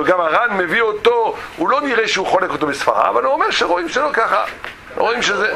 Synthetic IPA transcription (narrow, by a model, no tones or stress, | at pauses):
ɡamaʁanme̞viot̪ohulo̞niʁeʃeuχolekot̪obesfa̰ʁa̰vanuomeʁʃeʁo̞imʃelokaχa̰ | ʁoimʃeze